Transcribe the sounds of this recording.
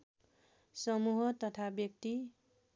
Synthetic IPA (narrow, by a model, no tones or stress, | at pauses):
sʌmuɦʌt̪ʌt̪ʰabjʌk̚t̪i